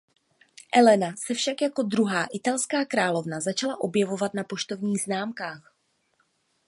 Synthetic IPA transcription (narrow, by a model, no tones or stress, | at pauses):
ʔɛlɛnasɛfʃakjako̞d̪ɾuɦaːʔɪt̪alskaːkɾaːlo̞vnazat͡ʃalaʔo̞bjɛvo̞vat̪napo̞ʃt̪o̞vɲiːɣznaːmkaːx